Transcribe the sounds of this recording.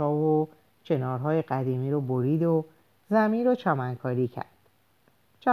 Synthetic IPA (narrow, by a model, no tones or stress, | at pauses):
ɒːvo | cʰe̞nɒːɾɦɒːjeɢæd̪iːmiːɾoboɾiːd̪o | zæmiːnɾot͡ʃʰɒːmæŋkʰɒːɾiːcʰæ̰ɾd̪̥ | t͡ʃʰ